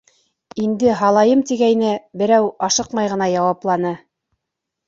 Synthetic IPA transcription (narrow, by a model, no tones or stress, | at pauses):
ind̪ɘɦɑlˠɑjɤmt̪iɡæjnɘbɘ̆ɾæwɑʃɤqmɑjʁɤ̆nɑjɑwɑplˠɑnɤ